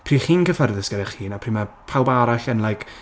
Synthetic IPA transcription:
pʰriːχiːnkəfərðəskəɾɛχiːnapʰr̥iːmapʰawˠbaɾaɬənlˠajkʰ

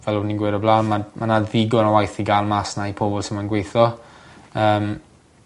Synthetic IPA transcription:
vɛlʊniɡwɪɾɔblaːnmamʔanaðiɡɔnawajθiɡaːlˠmasnaipʰoːbɔlˠsəmanɡwejθɔ | əːm

